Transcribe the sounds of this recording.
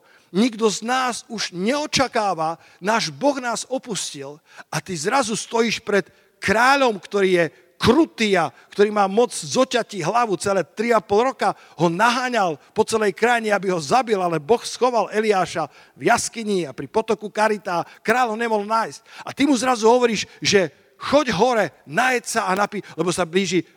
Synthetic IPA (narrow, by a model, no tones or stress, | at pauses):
ɲiɡd̪ɔznaːzuʒɲɛɔt͡ʃakaːʋa | naːʒbɔɣnaːzɔpuscil | ʔat̪izɾazust̪ɔjiʃpɾɛt̪ | kɾaːʎɔmkt̪ɔɾiːjɛ | kɾut̪iːakt̪ɔɾiːmaːmɔd͡zzɔcaciɦlaʋut͡sɛlɛːt̪ɾiapɔlɾɔka | ɦɔnaɦaːɲalpɔt͡sɛlɛjkɾajɲɛabiɦɔzabilalɛbɔxsxɔʋalɛliaːʃa | vjaskiɲiapɾipɔt̪ɔkukaɾit̪aːkɾaːʎɦɔɲɛmɔɦlnaːjsc̚at̪imuzɾazuɦɔʋɔɾiːʃʒɛ | xɔɟɦɔɾɛnajɛcsaanapiːlɛbɔsabliːʒi